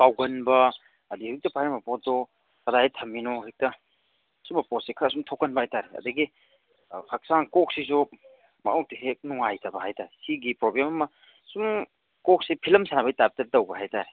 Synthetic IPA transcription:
pawɡɐnbɐː | dihik̚tɐpajɾɐmɐpɔt̚ːɔ | kɐdajetʰɐminɔhik̚tɐ | sumɐpɔsekʰasumtʰokɐnbɐhajtaɾeɐ̰dɐɡi | kʰak̚saŋkɔk̚sis̬u | mɐ̰ʔɔw̚tiɦek̚nuŋajtɐbɐɦajtaɾesiɡipɾoblemɐmɐ | sum | kɔk̚sipʰilɐmsanabɐjtap̚tɐdɐwbɐɦajtaɾe

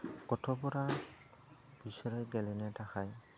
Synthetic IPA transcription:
kɔtʰɔbɔɾa | b̥isɔɹɔjɡɛlɛnɛtaxaj

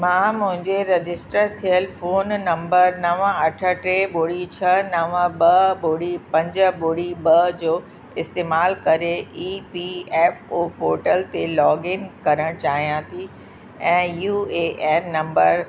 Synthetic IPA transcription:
mãːmʊ̃ɦɪ̃ɲd͡ʑeɾed͡ʑɪsʈəɾt̪ʰijəlfoːnːɐ̃mbəɾnɐʋəɐʈʰə̆ʈɾeboːɽit͡ɕʰɐnɐʋəɓɐboːɽipɐ̃ɲd͡ʑə̆boːɽibɐd͡ʑoː | ɪst̪eːmaːlkɐɾeiːpiɛːfoːpoːɾʈəlt̪elɔːɡɪnkɐɾəɽ̃t͡ɕaːɦijãt̪ʰi | ɛ̃ːjuːeːʔɛːnːɐ̃mbəɾ

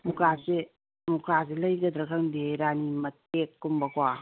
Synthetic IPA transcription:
mukase | mukas̬elɐjɡɐd̪ɾɐkʰaŋdeɾanimɐtekːumbɐkwa

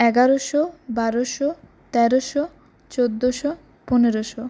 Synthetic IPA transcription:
ɛɡaɾoʃobaɾoʃo | t̪ɛɾoʃo | t͡ɕod̪ːoʃo | pɔneɾoʃo

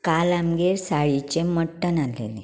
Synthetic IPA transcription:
kalamɡeɾsaɭit͡ɕeməʈːənalḛle

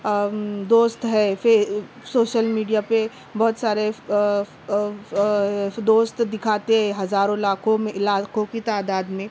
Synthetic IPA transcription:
d̪oːst̪ɦɛfɪ | soːʃəlmiːɖijape | bɐɦʊt̪saːɾe | d̪oːst̪d̪ɪkʰaːt̪eɦɛ̃ɦɐzaːɾõlaːkʰõmẽlaːkõkit̪aːd̪aːd̪mẽ

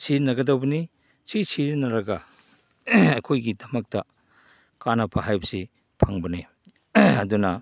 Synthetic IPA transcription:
siznɐɡɐdɐwbɐni | sisiznɐɾɐɡɐ | ɐjkʰojɡidɐmɐk̚tɐ | kanɐpʰɐɦajbɐsi | pʰɐŋbɐne | ɐdunɐ

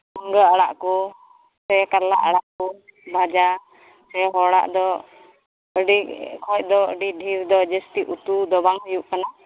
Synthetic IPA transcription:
əŋɡəaɽaʔkɔ | sɛkaɾlaʔaɽaʔkɔbʱad͡ʒa | sɛɦɔɽa̰ʔd̪ɔ | əɖikʰɔc̚ˀd̪ɔə̰ɖiɖʱiɾd̪ɔd͡ʒəst̪iʔut̪ud̪ɔbaŋɦujuʔkana

